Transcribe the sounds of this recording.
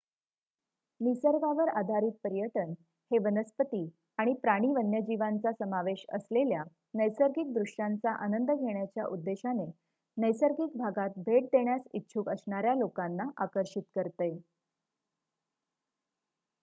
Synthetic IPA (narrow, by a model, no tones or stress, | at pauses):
nisəɾɡaʋəɾad̪ʱaɾiːt̪̚pəɾijəʈən | heʋənəspət̪iː | aɽ̃ipɾaɽ̃iːʋənjəd͡ʑiʋant͡sasəmaʋeɕə̰slelja | nəjsəɾɡiːk̚d̪ɾuʂant͡saʔanənd̪əɡʱeɳjat͡ɕjaʔud̪ːeɕane | nəjsəɾɡiːkbʱaɡat̪̚bʱeʈ̚d̪eɳjasitːɕʰukəsɳaɾjalokanːaʔakəɾɕit̪kəɾt̪e